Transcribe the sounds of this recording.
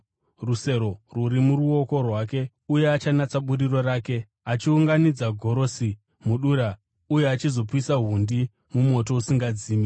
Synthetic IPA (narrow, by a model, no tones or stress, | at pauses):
ruse̞ɾo̞ruɾimuruo̞ko̞rwake̞ | uje̞at͡ʃanat͡saɓuriro̞raːke̞ | at͡ʃiuŋɡanid͡zaɡʱo̞ɾo̞si | muɗuːɾa | ujeat͡ʃizo̞puisaɦundi | mumwo̞to̞usiŋɡad͡ziːmi